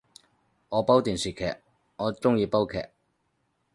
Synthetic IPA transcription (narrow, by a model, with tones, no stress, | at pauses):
ŋɔː˨˧pɐ˥wt̪iː˨˩nsiː˨˩kʰɛ̰ː˨˩k̚ | ɔː˨˧t͡sʊ˥ŋjiː˧pɐ˥wkʰɛ̰ː˨˩k̚